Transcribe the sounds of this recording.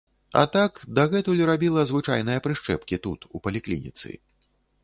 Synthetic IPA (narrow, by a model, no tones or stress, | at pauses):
ɐ̰t̪akd̪ɐɣɛt̪ulʲɾabʲilˠɐzvɨt͡ʂa̰jnɨjɐpɾɨʂt͡ʂɛ̰pkʲit̪ut̪upɐlʲiklʲḭnʲḭt̪sɨ̰